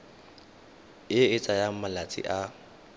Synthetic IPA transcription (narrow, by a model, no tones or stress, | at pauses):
ɪɪt͡sʼajamalat͡sʼɪ̰ʔa